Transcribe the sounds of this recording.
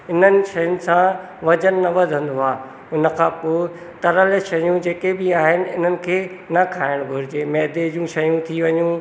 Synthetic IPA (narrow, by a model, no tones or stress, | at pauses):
ɪn̤ənɪ̆ʃɐjənɪ̆sã | ʋɐd͡ʑənːɐʋɐd̪ʱə̃nd̪oaː | ʊnə̆kʰãːpoːɪ | t̪ɐɾəlʃɐjũd͡ʑeːkebɪaːɦɪnɪ̆ɪn̤ənɪ̆kʰeːnɐkʰaːɪɽ̃ɡʱʊɾɪd͡ʑeːmɛɦd̪ed͡ʑũʃɐjũt̪ʰiʋɐɲũ